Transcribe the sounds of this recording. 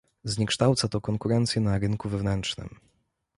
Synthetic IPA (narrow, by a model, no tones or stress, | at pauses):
zɲɛkʂt̪awt̪sat̪ɔkɔŋkuɾɛnt̪sʲjɛnaɾɘnkuvɛvnɛntt͡ʂnɘ̰m